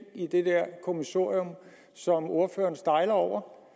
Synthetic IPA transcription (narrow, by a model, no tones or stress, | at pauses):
id̥e̝d̥eɐ̰kʰo̝misɑ̰ɐ̰iom | sɒ̽mo̝ɐfø̰ːɐnsd̥ɑ̈ɪlɐɒʊ̰ɐ